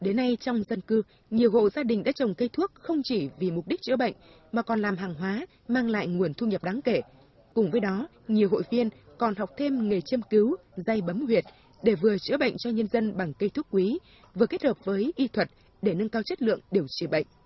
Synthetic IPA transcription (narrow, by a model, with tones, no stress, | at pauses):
ɗe˨˦nːa˧jt͡ɕɔ˧wŋ͡mzə˧nkɨ˧ | ɲi˨˩əwɦo̰˧˨zaː˧ɗï˨˩ŋ̟ɗa̰ː˧˥t͡ɕə˨˩wŋ͡mkə˧jt̪ʰu˦˥ək̚xə˧wŋ͡mt͡ɕi˧˩vi˨˩mʊ˨˩k͡p̚ɗi˦˥k̟̚t͡ɕɨ̰˧˥əɓə̰˧˨jŋ̟ | maː˨˩kɔ˨˩nlaː˨˩mɦaː˨˩ŋɦwaː˨˦ | maː˧ŋla̰ː˧˨jŋu˨˩ənt̪ʰu˧ɲə˨˩p̚ɗaː˨˦ŋke˧˩ | kʊ˨˩ŋ͡mvəː˨˦jɗɔ˨˦ | ɲi˨˩əwɦo̰˧˨jvi˧ənkɔ˨˩nha˨˩wk͡p̚t̪ʰe˧mŋɨ˨˩jt͡ɕi˧əmki˨˦w | za˧jɓə˨˦mhwi˨˩ət̚ | ɗe˧˩vɨ˨˩ət͡ɕɨ̰˧˥ɓə̰˧˨jŋ̟t͡ɕɔ˧ɲə˧nzə˧nɓa˨˩ŋkə˧jt̪ʰu˦˥ək̚kːwi˨˦ | vɨ˨˩əke˦˥t̚həː˨˩p̚vəː˨˦jʔi˧t̪ʰwə˨˩t̚ | ɗe˧˩nɨ˧ŋkaː˧wt͡ɕə˦˥t̚lɨ̰˧˨əŋɗi˨˩əwt͡ɕi˧˩ɓə̰˧˨jŋ̟